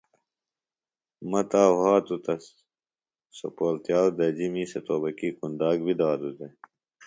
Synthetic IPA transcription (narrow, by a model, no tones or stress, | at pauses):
mɐt̪aːhaːt̪ut̪ɐs | sɐpoːlt̪jaːwd̪ɐd͡ʑimiːset̪oːbɐkiːkund̪aːɡbid̪aːd̪ut̪e